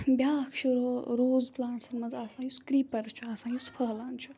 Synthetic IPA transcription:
bʲjaːkʰt͡ʃʰuoɾoːzplãːɳʈsɐɾmɐzaːsãːjuskɾiːpɐɾt͡ʃʰuaːsãːjuspʰəɦlaːnt͡ʃʰu

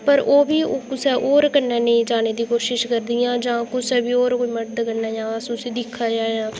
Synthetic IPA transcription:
pəɾʔoːbiːoːkʊsɛːʔoːɾkənːɛ̃ːnəĩːd͡ʒaːneːd̪iːkoːʃɪʃkəɾd̪ijãːd͡ʒãːkʊsɛːbiːoːɾkoːiːməʈd̪kənːɛ̃ːjãːəsʊsiːd̪ɪkʰːaːd͡ʒaːeãː

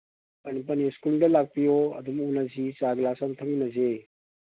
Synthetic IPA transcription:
pɐnip̬ɐniskuldəlaɡ̚pijoɐ̰d̪umunazit͡ʃaɡlasɐmt̪ʰɐminɐze

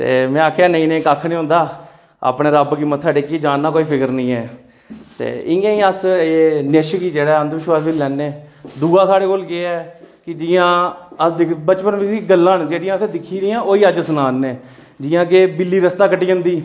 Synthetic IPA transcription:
t̪ḛːmɛ̃ːaːkʰeaːnəĩːnẽːkaːkʰːneːɦõːnd̪aː | a̰ːpneːɾəbkɪmːət̪ʰsaːɖeːkːiːd͡ʒaːnːaːkoːiːpʰɪkəɾnəĩːɛː | t̪ḛːɪŋẽːĩːəseːnɪʃkiːd͡ʒeːɽaːənd̪ʋɪʃʋaːɾʋilɛːnːeːd̪uːãːsaːɽeːkoːlɡeɛːkɪd͡ʒɪːãːəd̪ɪkbət͡ʃpənʋɪsiɡəlːãːnd͡ʒeːɽɪjãːsed̪ɪkʰiːɾɪːãːʔoːiːəd͡ʒsʊnaːnːeː | d͡ʒɪːãːk̬eːbɪlːiːɾəst̪aːkəʈiːd͡ʒə̃nd̪iː

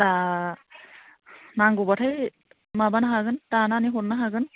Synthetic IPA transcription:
ta | naŋɡubatʰaj | mabanaɦaɡɯntananiɦotnaɦaɡɯn

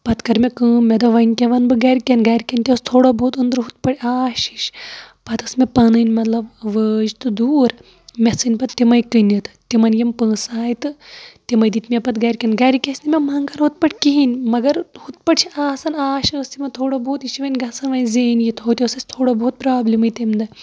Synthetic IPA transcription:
pɐt̪kɐɾmʲekəːmʲːed̪ɐʋɐnʲkʲeʋɐnbɨɡɐɾʲkʲenɡɐɾʲkʲɐnʲt̪ʲest̪ʰoːɽoboːt̪ɨnd̪ɾɦut̪̚pɐɽʲiaːʃi̥ʃpɐt̪ɐsmʲepɐnɨnʲmɐt̪lɐbʋəːd͡ʒt̪ɨd̪uːɾ | mʲesɨnʲpɐt̪t̪imɐjkɨnʲɐt̪ɨ̥t̪imɐnjimpə̃ːsaːjt̪ɨt̪imɐjd̪it̪mʲepɐt̪ɡɐɾʲkʲɐnɡɐɾʲikʲesʲnimʲɐmɐŋɡɐnɦut̪̚pɐʈʰʲkiɦinʲmɐɡɐɾhut̪̚pɐʈt͡ʃʰiaːsɐnaːʃɐːst̪imɐt̪ʰoːɽoboːt̪iʃʰiʋɐnʲɡɐsɐnʋɐnʲzeːnjit̪ʰɦoːt̪ʲesɐsʲt̪ʰoːɽobout̪̚pɾaːblʲimɨjt̪emd̪ɐ

